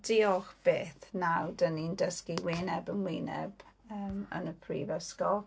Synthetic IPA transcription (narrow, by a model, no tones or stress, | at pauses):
d̥iːɔxb̥eːθnawdənindəskiwɪːnɛbənwɪːnɛ̰bəːmə̰nəpʰrḭːvəskɔlˠ